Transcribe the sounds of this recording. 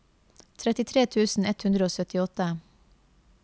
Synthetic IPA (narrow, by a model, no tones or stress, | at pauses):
t̪ʰɾɛt̪ɪt̪ʰɾeːt̪ʰʉːsn̩ɛt̪hʉnd̪ɾəoːsœt̪ɪɔt̪ə